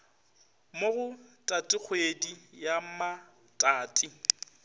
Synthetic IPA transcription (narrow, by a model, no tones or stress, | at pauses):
moɣʊtʼatʼɪk͡xʰwedijama | tʼaːtʼɪ